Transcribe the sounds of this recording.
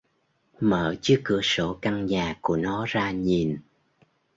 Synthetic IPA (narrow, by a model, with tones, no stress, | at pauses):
məː˧˩t͡ɕɨ˨˦əkɨ˧˩əso˧˩ka˧ŋɲaː˨˩ku˧˩ənɔ˨˦zaː˧ɲi˨˩n